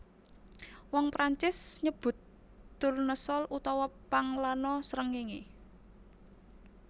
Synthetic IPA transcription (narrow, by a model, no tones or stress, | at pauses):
wɔŋpɾaɲt͡ʃɪsɲəb̥ʊ̤t̪ː | ʊrnəsɔlʔut̪ɔwɔpaŋlanɔsəɾəŋiŋi